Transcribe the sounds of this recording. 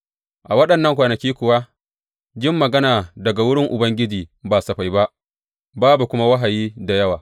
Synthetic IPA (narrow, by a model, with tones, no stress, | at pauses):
ʔa˨wɐ˦ɗɐ˨nːɐ˦ŋkʷaː˨nɐ˨kʲiː˦kʷʊ˨wa˦ | d͡ʒɪ˦mːɐ˨ɡɐ˦naː˨dɐ˨ɡa˨wʊ˦ɽɪ˦ŋʔʊ˨bɐ˦ŋɡʲɪ˦d͡ʒiː˨baː˨sɐ˨ɸa˨jba˦ʔ | baː˦bu˨kʷʊ˦ma˦wɐ˦ɦa˨jiː˦da˨jɐ˦waː˨